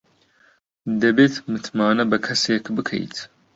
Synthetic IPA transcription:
d̪ɐbeːt̪mɨt̪ʰmaːnɐbɐkʰɐseːkbɨkʰɐ̰jt̪ʰ

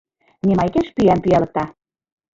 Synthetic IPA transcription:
nʲemɑjkeʃpyæmpyælɤ̆k̚t̪ɑ

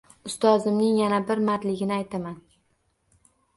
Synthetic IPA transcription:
ʊst̪ʰɒzɪmnɪŋjanabɪɾmaɾt̪lɪɡʲɪnɪajt̪ʰaman

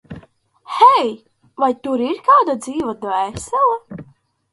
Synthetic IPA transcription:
hɛj | vajt̪uɾiɾkaːd̪ad̪ziːvad̪ɔɛsɛlˠa

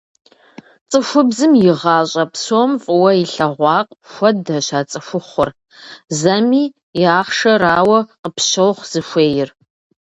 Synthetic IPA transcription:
t͡sʼɨxʷʊbzɨmjɪʁɑːɕʼɐpsoːmfʼɨwɐiɬɐʁʷɑːqʼxʷɐdɐʃaːt͡sʼɨxʷʊχʷʊr | zɐmiː | ɪaːχʂɐraːwɐqəpʰʃɐwχz̥ɨʃʷeːjɪr

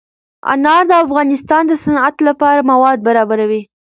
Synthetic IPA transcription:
a̰nɑɾd̪əafɣɑnɪst̪ɑnd̪əsanat̪lapɑɾamawɑd̪̚baɾɑbaɾawi

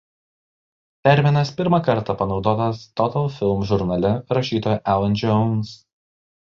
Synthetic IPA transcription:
t̪ʲɛɾʲmʲɪnɐspʲɪɾmɑkɐɾt̪ɐpɐnɒʊd̪oːt̪ɐst̪ɔt̪ɐlˠfʲɪlʲˠmʒʊɾnɐlʲɪɾɐʃʲiːt̪oːjɛʔælˠɐnd͡ʒʲɔʊns

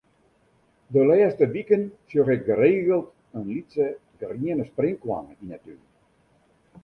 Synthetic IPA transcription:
dəlɛəstəʋikənsjoɣɪk̚ɡəreːəlˠt | ənlitsəɡriənəsprɪŋkwa̰ŋəinəty

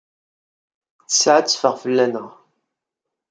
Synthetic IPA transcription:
θə̥sʕat͡sːfəʁfəlːænəʁ

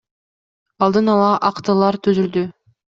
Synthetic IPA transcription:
ɑlˠd̪ɯnɑlˠɑʔɑqt̪ɯlˠɑɾt̪ʰyzyld̪y

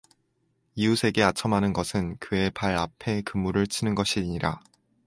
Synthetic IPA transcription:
iusʰe̞ɡe̞at͡ɕʰʌmɦanɯnɡʌsʰɯnkɯe̞paɾapʰe̞kɯmːuɾɯɭt͡ɕʰinɯnɡʌɕʰiɲiɾa̰

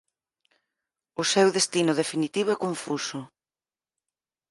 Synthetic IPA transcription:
ʊsewðest̪inʊðefinit̪iβ̞ʊɛkoɱfusʊ

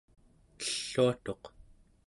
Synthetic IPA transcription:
əɬːuat̪o̞q

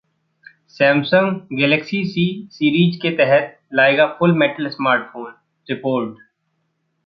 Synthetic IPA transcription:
sɛ̃ːmsə̃ŋɡɡɛːləksisiːsiːɾiːd͡ʒket̪ɛɦət̪̚ | laːeːɡafʊlmeːʈəlsmaːɾʈ̚fʰoːn | ɾɪpoːɾɖ

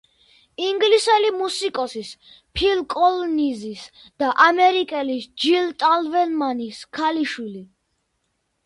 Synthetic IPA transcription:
iŋɡlisɛlimusikʼɔsis | pʰilkʼɔlnizis | d̪̥aʔamɛɾikʼɛlisd͡ʒilt̪ʼalvɛnmaniskʰaliʃwili

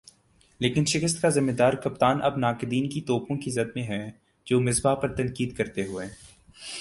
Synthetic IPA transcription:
leːkɪnʃɪkəst̪kazɪmːed̪aːɾkɐpt̪aːnʔɐbnaːkɪd̪iːnkit̪ɔːpõkizɐd̪mẽɦɛ̃ː | d͡ʒoːmɪzbapɐɾt̪ɐ̃nkiːd̪kɐɾt̪eɦʊeː

